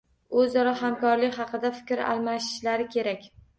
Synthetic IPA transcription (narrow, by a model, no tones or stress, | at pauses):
ɵzɒɾahamkɒɾlɪkʲhɑqʰɨd̪afɪ̥kʲɾa̰lˠmaʃɪ̥ʃlaɾɪkʲʰe̞ɾakʲ